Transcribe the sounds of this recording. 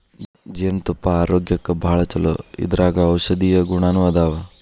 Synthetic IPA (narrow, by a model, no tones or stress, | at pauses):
d͡ʒiɐnt̪upːɐaːɾoːɡjɐkːɐbʱaːɭɐt͡ʃɐlo̰ḭd̪ɐɾʔaːɡɐːwʃɐd̪iːjɐɡuɳaːnuʋad̪aːʋɐ